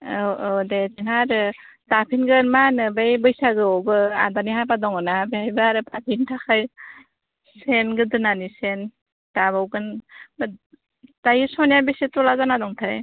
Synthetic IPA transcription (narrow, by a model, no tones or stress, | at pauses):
odezeŋaɾɯ | tapʰinɡɯɾmanɯbajbɯjsaɡɯɔbɯa̰daniɦabadɔŋɯnaabehajbaɾɯpʰapʰintʰaxʰaj | senɡɯdɯnanisen | tabawɡɯnb | tajɯsɔnjabesitɔlazanadɔŋtʰaj